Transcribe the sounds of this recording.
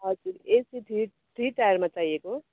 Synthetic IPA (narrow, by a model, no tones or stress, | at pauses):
ɦʌd͡zuɾesiʈi | ʈʰiʈajʌɾmãt͡sajeko